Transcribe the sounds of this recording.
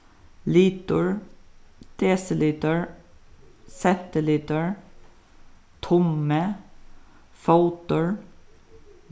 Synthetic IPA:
liːt̪əɹ | d̪̥eːsɪliːt̪əɹ | sɛnt̪əliːt̪əɹ | t̪ʰʊmə | faʊt̪əɹ

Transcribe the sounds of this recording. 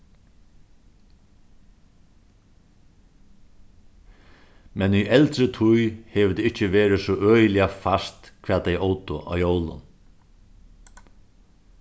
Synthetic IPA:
mɛnyʔɛlt̪ɾət̪ʰʊjhɛːʋət̪ɪɪt͡ʃəʋeːɾɪsɔʔœːjlɪafast̪kʰv̥ʋɛːejʔowt̪ʊʔa̰ːwjowlʊ̰n

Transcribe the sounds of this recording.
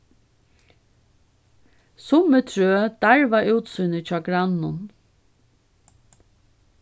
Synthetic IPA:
sʊmət̪ʰɹøːd̪̥aɹʋaʔʉːt̪sujnət͡ʃɑːɡɾanʊn

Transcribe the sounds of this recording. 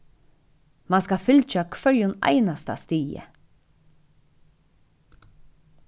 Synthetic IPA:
manskɑfʏlt͡ʃakʰʋœɹjʊnæ̰ɪnast̪a̰st̪iːə̰

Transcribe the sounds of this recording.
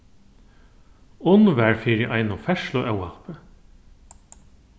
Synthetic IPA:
ʊnʋæɹfɪɾɪʔajnʊfɛʃlʊʔɛwa̰pə

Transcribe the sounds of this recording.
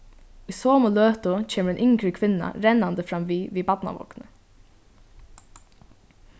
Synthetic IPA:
ʊsoːmʊløːt̪ʊt͡ʃʰeːməɾɛnʔʏŋkɹəkʰʋɪnːa̰ɾɛnːand̪əfɾamʋiːʋiːbat̪na̰ʋɔ̰knə

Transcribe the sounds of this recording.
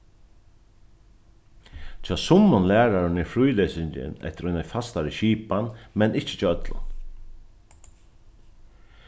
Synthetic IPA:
t͡ʃʰaːsʊmːʊnlæːɾaɾɪnɪfɾujlɛːsɪɲt͡ʃɪ̰nɛ̰ht̪ɪɾɔjnafast̪aɹɪʃiːpanmɛnɪht͡ʃɪ̥t͡ʃʰaœt̪lʊ̰n

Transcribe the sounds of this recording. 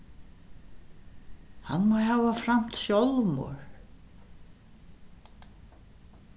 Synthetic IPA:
ha̰nːmajɦaːvafɾam̥t̪sjowlmɔ̰ɾ

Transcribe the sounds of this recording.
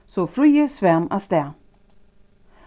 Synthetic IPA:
sɔfɾʏjəsvɛmast̪ɛ

